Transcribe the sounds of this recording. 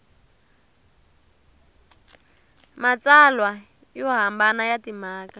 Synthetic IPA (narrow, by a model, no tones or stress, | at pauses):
mat͡salwa | jɔɦambanajatimaːka